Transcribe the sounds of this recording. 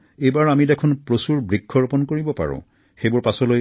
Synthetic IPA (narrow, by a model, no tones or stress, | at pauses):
ejbaɹamidɛkʰɔnpɹosuɹbɹikʰːɔɹpɔnkoɹibɔpa̰ɹʊ̰̃ | xejbʊɹpasɔloj